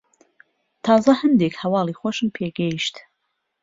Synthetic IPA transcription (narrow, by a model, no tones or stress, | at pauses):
t̪ʰɑːzɐhɨnd̪ekhɐwɑːlˠixoʃɨnpʰeɡɛiʃt̪